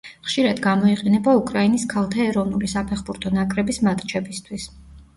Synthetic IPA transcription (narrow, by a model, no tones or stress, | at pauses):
χʃiɾad̪ɡamɔiqʼɛnɛbaukʼɾainiskʰalˠt̪ʰaɛɾɔvnulisapʰɛχbuɾt̪ʰɔnakʼɾɛbismat̪ʼt͡ʃʰɛbist̪ʰwis